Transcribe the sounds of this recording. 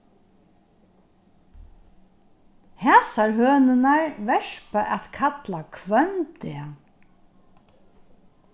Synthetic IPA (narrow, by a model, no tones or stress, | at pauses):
hɛːsaɹɦøːnɪnaɹvɛʂpaʔɛt̪kʰat̪lakʰvœnt̪ɪa